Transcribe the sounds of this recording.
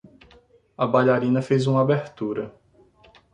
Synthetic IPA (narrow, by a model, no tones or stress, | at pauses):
ɐbajʎaɾĩnɐfejzũmɐabeɾt̪uɾɐ